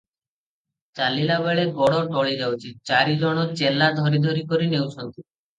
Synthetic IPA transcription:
t͡ʃalilaβeɭebɔɽoʈɔɭid͡ʒawt͡ʃʰit͡ʃaɾid͡ʒɔɽ̃ot͡ʃelad̪ʱɔɾid̪ʱoɾikoɾinewt͡ʃʰɔnt̪i

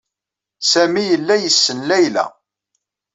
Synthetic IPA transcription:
sæmijəlːæjəsːənlæjlæ̰

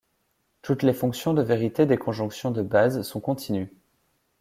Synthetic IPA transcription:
t̪ut̪lefɔ̃ksjɔ̃d̪əveʁit̪ed̪ekʰɔ̃ʒɔ̃ksjɔ̃d̪əbazsɔ̃kɔ̃t̪ʰiny

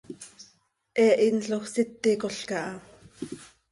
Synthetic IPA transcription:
ʔɛːʔinɬoχsit̪ːikoɬkɑʔɑ

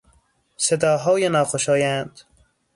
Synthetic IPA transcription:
sed̪ɒːɦɒːjenɒːxoʃɒːjænd̪̥

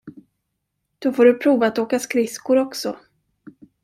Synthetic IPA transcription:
d̪̥ofoːɖɵpʰɾuːvaːt̪oːkaskɾɪskʊɾɔksɔ

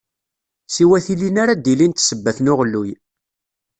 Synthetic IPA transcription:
siwæθilinaɾad̪ilint̪səbːæθnʊʁəlːuj

